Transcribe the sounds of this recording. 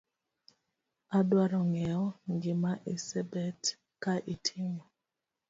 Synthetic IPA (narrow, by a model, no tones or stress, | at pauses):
adwaɾɔŋɛɔŋɡɪmaʔisɛbɛt | kaʔitʰimɔ